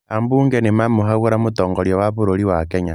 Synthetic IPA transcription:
ambuːŋɡenimamuɦaɣuɾamutoːŋɡoljowaβuɾoliwakeɲa

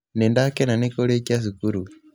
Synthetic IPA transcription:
nendakenanekoleciasikuɾu

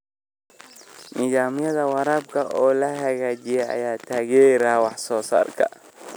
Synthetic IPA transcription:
nʔɪðaːmjɐðɐwɑɾaːb̚kʰɐʔɔːlɐɦɐɣaːd͡ʒɪjɛɐ̰jaːt̪ʰaːɣɛɾaːwɑħsɔːsa̰ːrkʰɐ̰

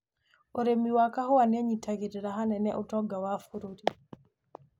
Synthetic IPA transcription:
oɾemiwakahuwaneɲitʰaɡiɾiɾaɦanɛnɛʔutɔɡawafuɾuti

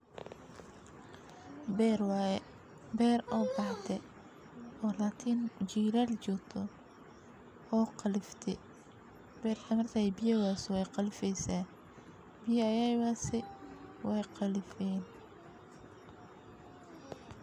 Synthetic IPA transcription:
bɛːɾɔːbɑħd̪ɛ | ɔːlaːt̪ʰiːnt͡ʃiːɾalt͡ʃʊt̪ʰɔ | ɔːqɑlɪft̪ʰɛ | b̥ɛːrkʰɐmɐrk̪ʰaːjbɪjɐwaːswɛjqɑlɪfɛjsaː | bɪjɐɐjawaːsɛwɛjqɑlɪfɛːn

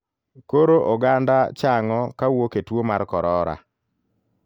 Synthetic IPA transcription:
koɾoʔoɡandat͡ʃaŋɔkawoketwomarkɔɾɔɾa̰

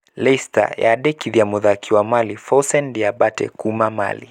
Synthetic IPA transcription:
lɛsta̰ja̰ɗɛkiðiamɔðakʰiwamalifɔsɛndiaɓatɛ̰kumama̰lḭ

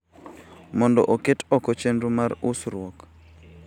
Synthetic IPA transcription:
mɔndɔ̰ʔoketɔkɔt͡ʃendumaɾusɾwɔk

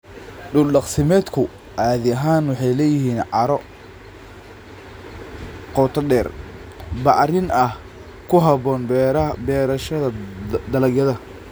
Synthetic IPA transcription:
ɖʊlɗɑqsɪmɛːd̪kʰʊ | ʔaːðɪɐɦaːnwɑħɑjlɛjɪɦiːnʕɑɾɔ | qɔt̪ʰɐɗɛːr | bɑʕɾɪnɐh | kʰʊɦɐβɔːnbbɛːɾɐʃɐðɐd̪ɐlɐɡjɐðɐ

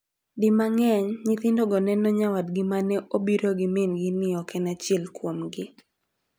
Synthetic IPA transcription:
dɪmaŋɛɲɲɪt̪ɪndɔɡɔnɛnɔɲawadɡɪmanɛʔobiɾoɡɪmenɡɪnɪɔkʰɛnat͡ʃɛlkwomɡɪ

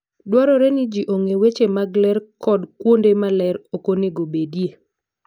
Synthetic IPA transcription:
dwaɾɔɾenid͡ʒiʔoŋewet͡ʃemaɡlɛɾkɔdkwondemalɛɾokoneɡobedije

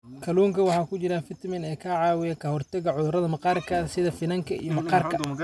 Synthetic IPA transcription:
kʰɐluːŋkʰɐwɑħɑːkʰʊt͡ʃɪɾɐfɪt̪mɪnɛːkʰaːʕɑːwɪjɐkʰɐhɔrt̪ɛɣɐʕʊðʊɾɐðɐmɐqɑːrkʰɐsɪðɐfɪnɐŋkʰɐḭjɔmɐqɑːrkʰɐ

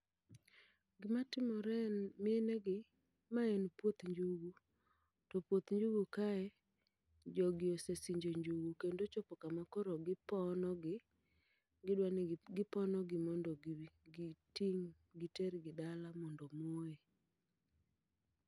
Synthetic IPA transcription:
ɡɪmatɪmɔɾɛnmɪeneɡɪ | maɛnpwot̪ɲd͡ʒuɡu | tɔpwot̪ɲd͡ʒuɡukaɛ | d͡ʒɔɡɪosesiɲd͡ʒoɲd͡ʒuɡukendot͡ʃɔpɔkamakɔɾɔɡɪpɔnɔɡɪ | ɡɪdwanɡɪpɔnɔɡɪmɔndɔɡtiŋ | ɡɪtɛɾɡɪdalamɔndɔmoe

